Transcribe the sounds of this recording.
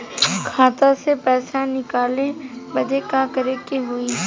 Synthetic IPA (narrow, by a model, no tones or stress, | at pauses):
kʰaːt̪ãsepɛːsanɪkaːlebɐd͡ʒekakɐɾekeɦʊi